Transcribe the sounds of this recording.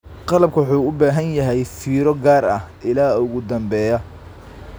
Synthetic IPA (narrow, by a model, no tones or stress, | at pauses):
qɑlɐb̚kʰɐwħuːʊbaːɦɐnjɐɦɛjfiːɾɔɡaːrɐhʔɪlaːʊɣʊd̪ɐmbɛːjɐ